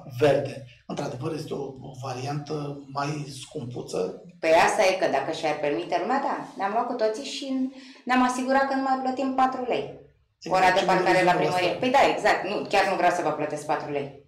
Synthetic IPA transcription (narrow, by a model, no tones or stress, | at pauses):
ve̞rd̪e̞ | ɨnt̪ɾad̪e̞vəɾje̞st̪eovaɾiant̪əmajskumput̪sə̰ | peast̪ajekəd̪akəʃiarʲpe̞rmit̪e̞lumead̪aneamlwat̪kut̪o̞t̪siʃineamasiɡuɾat̪̚kənumajplət̪impat̪ɾulej | oɾad̪epaɾkaɾelappɾiməɾijepəjd̪aeɡzak̚t̪nukʲarnuvɾeawsəvəplət̪e̞s̚pat̪ɾulej